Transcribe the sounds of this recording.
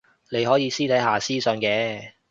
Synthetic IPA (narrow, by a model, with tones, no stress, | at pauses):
le˨˧jɦɔː˨˥jiː˨˧siː˥t̪ʰɐ˨˥jɦaː˨siː˥sɵ˧nkɛː˨˧